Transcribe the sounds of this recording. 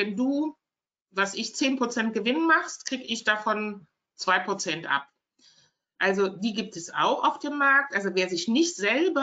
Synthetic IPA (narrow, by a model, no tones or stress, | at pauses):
vɛnduː | vasʔɪçt͡seːnpʁ̥ot͡sɛnt̚ɡ̥əvɪnənmaχstkʁ̥iːɡəɪçd̥afɔn | t͡sv̥aɪpʁ̥ot͡sɛntʔa̰p̚ | ʔalzodiːɡiːp̚tɛsa̰ʊxa̰ʊfd̥eːmːaɐk̚tʔalzoveːɐzɪçnɪçtz̥ɛlbɐ